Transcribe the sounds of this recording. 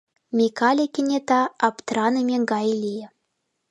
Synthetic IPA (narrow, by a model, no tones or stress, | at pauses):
mʲikɑlʲikʲinʲet̪ɑɑpt̪rɑnəmʲeŋɡɑjlʲijɘ̆